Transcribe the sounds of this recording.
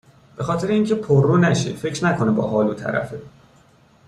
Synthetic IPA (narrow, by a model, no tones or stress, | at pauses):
b̥e̞xɒːt̪ʰeɾeiːŋcʰe̞pʰorːunæʃefe̞cʰɾnækʰo̞nebɒ̰ːɦɒːluːt̪ʰæ̰ɾæ̰fe